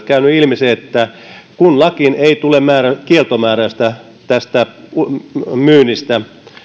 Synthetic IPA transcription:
kæynyilmiseːet̪ːækunlɑkineit̪ulemæːrækielt̪omæːɾæst̪æ | t̪æst̪æ | myːnist̪æ

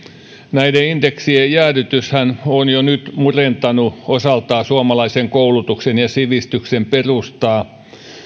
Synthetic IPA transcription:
næideind̪eksiejæːɾyt̪yshænonjonyt̪murent̪ɑnuosɑlt̪ɑːsuomɑlɑiseŋkoulut̪uksenjɑsiʋist̪yksemperust̪ɑː

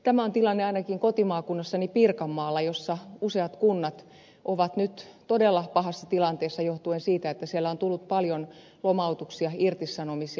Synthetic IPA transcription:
t̪æmæont̪ilɑnːeɑinɑkiŋkot̪imɑːkunːɑsːɑnipirkɑmːɑːlːɑjosːɑuseɑt̪kunːɑt̪ | ʔoʋɑt̪nyt̪t̪odelːɑpɑhɑsːɑt̪ilɑnt̪eːsːɑjoht̪uensiːt̪æet̪ːæsielːæont̪ulːut̪̚pɑljon | lomɑut̪uksiɑirt̪isɑnomisi

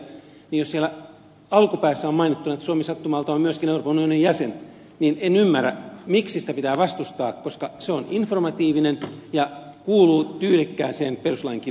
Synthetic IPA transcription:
nijossielæ | ɑlkupæːsːæommɑinit̪ːunɑet̪ːæsuomesɑt̪ːumɑːlt̪ɑommyøskineuropɑnunionijjæsen | niːnenymːærːæ̰miksisi̥t̪æpit̪æːʋɑst̪ust̪ɑːkkoskɑseoninformɑt̪iːʋinenjɑkuːluːt̪yːlikːæːnseːnperuslɑiŋki

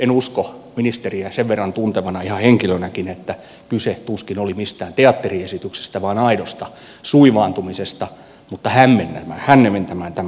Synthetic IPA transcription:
enuskominist̪eriæseʋʋerːɑnt̪unt̪eʋɑnɑihɑheŋkilønækinet̪ːæ | kyset̪uskinolimist̪æːnt̪eɑt̪ːeriesit̪ykse̥st̪æʋɑːnɑidost̪ɑ | suiʋɑːnt̪umisest̪ɑ | mut̪ːɑhæmmenːæmæ̰ːhænːement̪æmæːnt̪æm

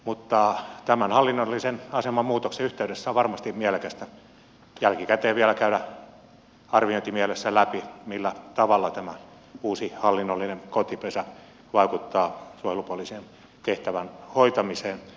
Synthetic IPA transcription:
mut̪ːɑt̪æmænhɑlːinːolːisenɑsemɑmmuːt̪okseyht̪eyɾesːæʋʋɑrmɑst̪imielekæst̪æ | jælkikæt̪eːʋiælækæydæ | ɑrʋioint̪imiælesːælæpimilːæt̪ɑʋɑlːɑt̪æmæ | uːsihɑlːinːolːinenkot̪ipesæ | ʋɑikut̪ːɑːsuojelupuoliseːn | t̪eht̪æʋænhoit̪ɑmiseːn

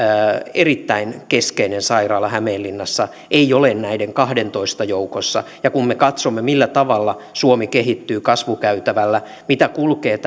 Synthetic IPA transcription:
erit̪ːæinkeskeinensɑirɑːlːɑhæmeːlːinːɑsːɑ | ʔeiolennæideŋkɑhdent̪oist̪ɑjoukosːɑ̰jɑkummekɑt̪somːemilːæt̪ɑʋɑlːɑ | suomikeɦit̪ːyːkɑsʋukæyt̪æʋælːæ | mit̪ækulkeːt̪

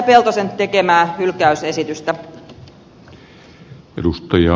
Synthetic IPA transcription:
pelt̪osentt̪e̞ke̞mæːhylkæyse̞sit̪yst̪æ | edust̪ɑjɑ

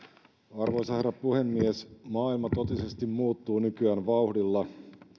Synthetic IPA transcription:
ɑrʋo̞jsɑheɾɑpuhe̞mːiesmɑːilmɑt̪o̞t̪ise̞st̪immuːt̪ːuːnykyæːnʋɑuhdilːɑ

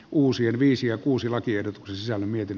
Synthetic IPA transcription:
ʔuːsienʋiːsijjɑkuːsilɑkiehdot̪u̥ksensisælːæmmiet̪inː

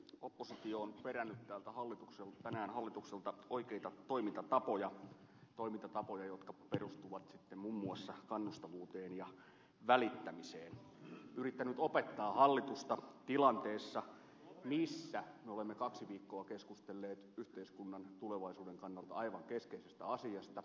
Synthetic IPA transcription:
opːosit̪ioːnpeɾænːyt̪tæːlt̪æhɑlːit̪ukselt̪ænæːnhɑlːit̪ukselt̪ɑoikeit̪ɑt̪o̞imint̪ɑt̪ɑpojɑ | t̪o̞imint̪ɑt̪ɑpojɑjot̪kɑperust̪uʋɑt̪sit̪ːemmumːuɑsːɑkɑnːust̪ɑʋuːt̪eːnjɑ | ʋælit̪ːæmiseːn | yrit̪ːænyt̪opet̪ːɑːhɑlːit̪ust̪ɑt̪ilɑnt̪eːsːɑ | misːæmeolemːekɑksiʋiːkːoɑkeskust̪elːeːt̪yht̪eiskunːɑnt̪uleʋɑisuːdeŋkɑnːɑlt̪ɑ̰ɑiʋɑŋkeskeisest̪æɑsiɑst̪ɑ

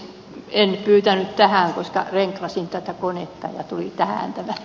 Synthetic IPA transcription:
enpyːt̪ænytt̪æhæˑŋkoskɑ̰reŋklɑsint̪æt̪ækonet̪ːɑ̰jɑ̰t̪ulit̪æhæ̰ˑnt̪æmæ

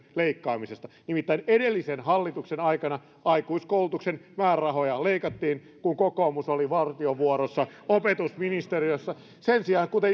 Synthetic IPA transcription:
leikːɑːmisest̪ɑnimit̪ːæinedelːisenhɑlːit̪uksenɑikɑnɑ | ɑikuiskoulut̪uksenmæːrɑɦojɑleikɑt̪ːiːn | kuŋkokoːmusoliʋɑrt̪ioʋuoɾosːɑopet̪usminist̪eriosːɑ | sensiɑːŋkut̪e

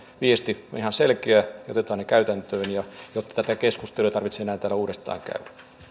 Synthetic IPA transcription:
ʋiest̪io̰nihɑnselkeæɑo̰t̪et̪ɑːnekæyt̪ænt̪øːnjɑjot̪ːɑ̥t̪æt̪ækeskust̪elujɑt̪ɑrʋit̪seenæːnt̪æːlːæuːdest̪ɑ̰ːŋkæ̰yæ

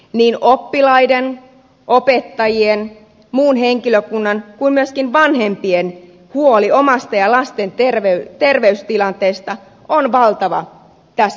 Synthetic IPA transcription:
niːnopːilɑiden | ʔopet̪ːɑjien | muːnɦeŋkiløkunːɑnkuinmyøskinʋɑnhempien | huoliomɑst̪ɑjɑlɑst̪ent̪erʋeyt̪erʋeyst̪ilɑnt̪eːst̪ɑ | onʋɑlt̪ɑʋɑ̰ | t̪æs

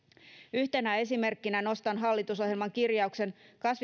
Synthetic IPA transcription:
yçt̪e̞næe̞sime̞rkːinæno̞st̪ɑnɦɑlːit̪uso̞ɦjelmɑŋkirjɑukse̞nkɑsʋ

